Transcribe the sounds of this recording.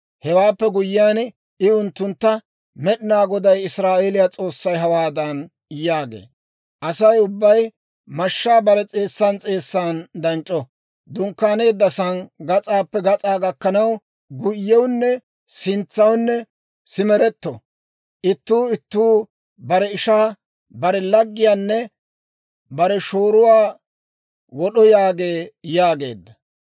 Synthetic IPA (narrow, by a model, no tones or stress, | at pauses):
hɛwaːpːɛɡʊjːɪaːn | ɪʊnt̪ːʊnt̪ːɐ | mɛɗɪnaːɡɔd̪ɐjɪsɾaːʔeːlɪjat͡sʼo̞ːsːɐjɦɐwaːd̪ɐn | jaːɡḛː | ʔɐsɐjʊbːɐj | mɐʃːaːbɐɾɛt͡sʼe̞ːsːɐnt͡sʼe̞ːsːaːnd̪ɐnt͡ʃʼːɔ | d̪ʊŋkːaːne̞ːd̪ːɐsɐnɡɐt͡sʼaːpːɛɡɐt͡sʼaːɡɐkːɐnɐw | ɡʊjːɛwnːɛ | sɪnt͡sːɐwnːɛ | sɪmɛɾɛt̪ːɔ | ʔɪt̪ːuːɪt̪ːuː | bɐɾɛɪʃaː | bɐɾɛlɐɡːɪjaːnːɛ | bɐɾɛʃoːɾʊwaː | wɔɗɔjaːɡe̞ːjaːɡe̞̰ːd̪ːɐ